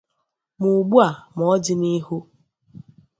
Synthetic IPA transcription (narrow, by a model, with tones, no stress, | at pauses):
mu˨ɡ͡bu˦a˨m˨ɔ˦d͡ʒɪ˦ni˦ɦu˦